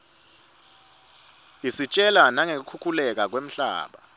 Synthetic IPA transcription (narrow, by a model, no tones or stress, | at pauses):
isit͡ʃʼɛlanaŋek̬ukʰukʰulɛk̬ak̬wem̩ɬa̰ːɓa